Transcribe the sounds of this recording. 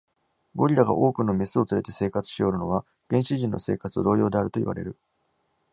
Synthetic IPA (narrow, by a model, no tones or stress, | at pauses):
ɡo̞ɾʲiɾaɡa̰ʔo̞ːkɯ̟no̞me̞sɨo̞t͡sɨɾe̞t̪e̞se̞ːkat͡sɨ̥ɕijo̞ːɾɯ̟no̞βa | ɡ̥ẽ̞ɰ̃ɕiʑĩnːʔo̞̰se̞̰ːkat͡sɨo̰d̪o̞ːjo̞ːd̪e̞aɾɯ̟t̪o̞ḭβa̰ɾe̞̰ɾɯ̟